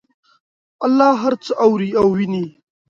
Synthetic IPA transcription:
alːɑːɦaɾt͡sʰəʔawɾiawːini

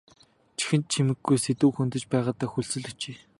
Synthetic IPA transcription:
t͡ɕʰi̥xɘ̆n̚t͡ɕʰimɘ̆ɡːujset̪uːxunt̪ɵ̆t͡ɕpæːʁaːt̪aːxuɮsɵ̆ɮɵt͡ɕeː

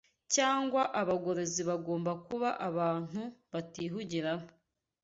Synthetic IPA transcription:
caːŋɡwaʔaβaɡo̞ɾoziβaɡo̞ːmbakuβaʔaβaːn̥huβatiːɦuɟiɾana

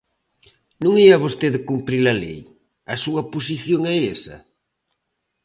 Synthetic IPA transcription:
nũŋiɐβost̪eðekumpɾilɐlḛj | ɐsuɐpos̬iθjoŋɛesɐ̰

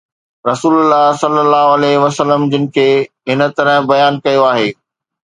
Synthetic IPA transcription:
ɾɐsuːlʊlːaːɦsɐlːəlːaːɦoɐlɛːɦʋɐsəlːəmd͡ʑɪnɪ̆kʰeːɦɪnə̆t̪ɐɾəɦbɐjaːnkɐjoaːɦeː

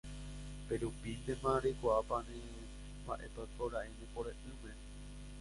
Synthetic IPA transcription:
peɾupind̪ẽmãɾekʷaapanẽ | baʔepakoɾaʔenẽpoɾẽʔɨ̃mẽ

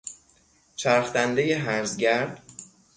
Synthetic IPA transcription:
t͡ʃʰæɾxt̪ænd̪e̞jeɦæɾzɟæɾd̪̥

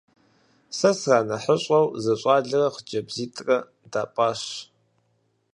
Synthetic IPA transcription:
sɐsraːnɐħəɕʼɐwzɐɕʼɑːɮɨrɐχd͡ʒɐbziːtʰʼrɐ | daːpʼaːɕ

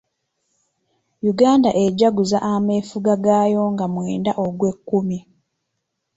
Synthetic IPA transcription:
juɡaːndaʔeɟaɡuzaʔamefuɡaɡaːjo̞ŋɡamwe̞ːndaʔoɡwe̞kːumi

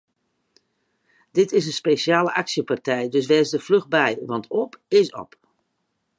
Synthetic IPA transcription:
d̥ɪtɪs̬ənspeːsjaːləʔaksjəpartɛjdɵs̬ʋɛːsdəfløxbɛjʋɑntʰɔpɪsɔ̰p

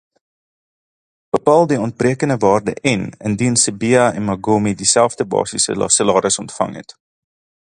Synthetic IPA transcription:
b̥əpɑːlˠdiɔnt̚briəkəndəvɑːrdə̰ʔɛnəndinsəbiɐɛnmɐɡomidisælˠfdəbɑ̰ːsisə̰səlɑːɾəsɔntfɐ̰ŋɦɛ̰t

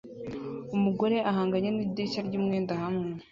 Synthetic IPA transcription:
umuɡo̞ɾe̞ʔaɦaːŋɡaɲenidicaɾɟumŋeːndahamŋe

